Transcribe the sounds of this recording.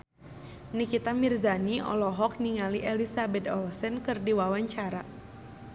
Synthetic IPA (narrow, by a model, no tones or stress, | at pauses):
nikit̪amirzaniɔ̰lɔɦɔk̚niŋaliʔɛlisabɛt̪̚ɔlsənkɨrdiwawaɲt͡ʃaɾa